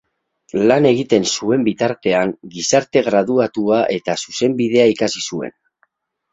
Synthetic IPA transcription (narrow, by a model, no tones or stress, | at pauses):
lane̞ɣ̞it̪e̞nsue̞mbit̪aɾt̪e̞aŋɡisaɾt̪e̞ɣɾað̞uat̪uaʔe̞t̪asuse̞mbiðe̞aikasisue̞̰n